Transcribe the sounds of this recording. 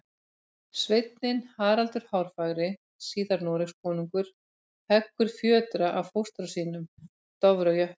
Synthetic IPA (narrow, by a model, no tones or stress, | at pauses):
svejt̪nɪnhaːɾalt̪ʏɾ̥hawɾ̥faːɣɾɪ | siːðaɾnɔːɾɪxskʰɔːniŋkʏɾ̥ | hɛkːʏɾ̥fjœːt̪ɾaʔavfowst̪ɾasiːnʏm | t̪ɔvɾœjœ̥